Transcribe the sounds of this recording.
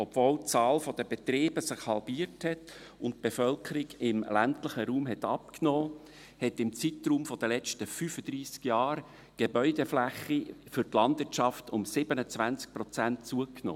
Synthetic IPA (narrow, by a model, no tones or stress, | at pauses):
ɔb̥voːlt͡sɑːlfɔd̥̪əbet̪ɾeːbəsɪχhɑlbiːəɾthɛt | ʊnt̚b̥efœlkʰəɾiɡɪmlæntləχəɾuːmɦɛt̪ɑp̚knɔː | hɛtɪmt͡sitruːmfɔd̥əlɛt͡ʃtəfyfəd̥̪ɾiːskjɑːɾ | ɡ̥ebœʏdeflæχifʏtlɑndvɪt͡ʃɑftʊmsɪbənət͡svænt͡sk̚pɾɔt͡sæntt͡suəkno̰ː